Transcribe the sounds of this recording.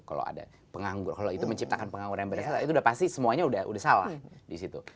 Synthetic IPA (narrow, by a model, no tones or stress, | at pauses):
kalo̰a̰da̰ | pəŋaŋɡʊrkaloit̪uməɲt͡ʃip̚t̪akanpəŋaŋɡuɾajaŋbəɾasat̪apit̪uːdahpast̪isəmuaɲaudahṵdahsala̰hdisit̪u